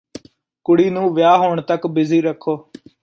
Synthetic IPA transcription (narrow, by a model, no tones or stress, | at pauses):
kʊɽiːnũːʋɪjaːɦoːɳt̪əkbɪziːɾəkʰːoː